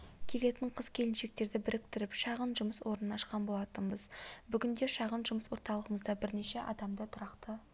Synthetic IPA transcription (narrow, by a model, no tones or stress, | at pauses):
kʲʰe̞le̞t̪ɪɴqʰəzkʲʰe̞lɪnʃe̞k̚t̪e̞ɾd̪ɪbɪɾɪk̚t̪ɪɾɪpʃɑʁənʒʊməswo̞ɾnənɑʃqɑnbo̞lˠɑt̪ənbəzbʏɡʲɪnd̪e̞ʃɑʁənʒʊməswo̞ɾt̪ɑlˠəʁəməzd̪ɑbɪɾneʃe̞ʔɑd̪ɑmd̪ət̪ʰʊɾɑqt̪ə